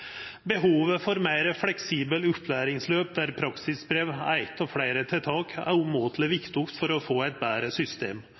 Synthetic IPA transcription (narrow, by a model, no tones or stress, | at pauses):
bəɦuːʋəfɔɾmeɪɾəflɛksiːbəlʉpʰlæːɾɪŋsløːp̚d̪æɾpʰɾɑksɪsbɾeːʋæ̰ɪɡt̪ɔfɽæɪɾət̪ʰɪt̪ʰɑːkæ̰umoːt̪ʰlɪʋɪkt̪ʊft̪fɔɾɔfoːæɪt̪̚bæːɾəsʏst̪ḛːm